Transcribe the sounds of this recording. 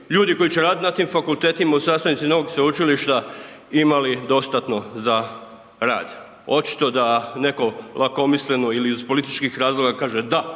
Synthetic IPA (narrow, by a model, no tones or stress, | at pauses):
ʎuːd̪iko̞jit͡ɕeɾaːd̪t̪nat̪imfakulˠt̪e̞ːt̪imausast̪anit̪ino̞ʋoɡsʋeut͡ʃiliʃt̪a | imalid̪o̞st̪at̪no̞za | ɾa̰ːd̪ | o̞t͡ʃi̥t̪o̞d̪ane̞ko̞lʔako̞misle̞noiliizpo̞lit̪i̥t͡ʃkixɾaːzlˠo̞ɡakaːʒed̪a